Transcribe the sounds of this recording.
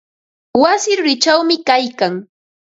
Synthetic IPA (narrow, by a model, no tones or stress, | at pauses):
wasɪɾʊɾɪt͡ʃawmɪkajkaŋ